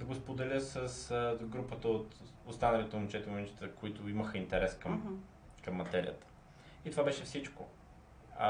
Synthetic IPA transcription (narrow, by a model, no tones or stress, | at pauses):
d̪ɐɡospod̪ɛlʲəsəsɡɾupət̪əot̪ | ost̪anɐlʲit̪ʊmit͡ʃɛt̪ɛmit͡ʃɛ̥t̪əkoit̪ʊiməxəint̪ɛɾɛskəm | kəmːɐt̪ɛɾḭjə̰t̪ə̥ | it̪ovabɛʃɛfsit͡ʃko̰